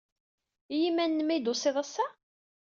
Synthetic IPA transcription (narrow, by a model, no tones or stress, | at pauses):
jimænːmæjd̪osˤeðˤasːæ